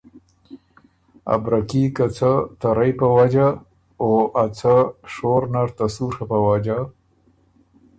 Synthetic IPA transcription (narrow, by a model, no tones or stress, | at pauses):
a̰bɾakikat͡sat̪aɾajpəwad͡ʒa | oat͡saʂoɾnaɾt̪asuɾxapəwad͡ʒa